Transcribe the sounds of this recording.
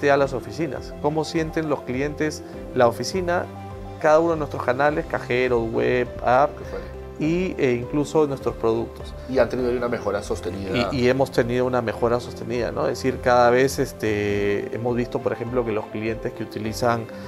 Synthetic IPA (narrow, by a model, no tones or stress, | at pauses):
t̪ealaso̞fisina̰sko̞mo̞sje̞nt̪e̞nlo̞sklije̞nt̪es | laofisina̰ | kaðaunoenwest̪ɾoskanale̞skaxe̞ɾoswḛβap̚ | e | ieiŋkluso̞nwest̪ɾo̞spɾo̞ðuk̚t̪o̞s | iant̪eniðajiunamexoɾasost̪eniðie̞mo̞st̪e̞nið̞o̞uname̞xo̞ɾaso̞st̪e̞niða̰no̰esiɾkaðaβ̞e̞sest̪eḛmo̞zβist̪o̞poɾe̞xe̞mplo̞ke̞lo̞sklije̞nt̪e̞skeut̪ilisaŋ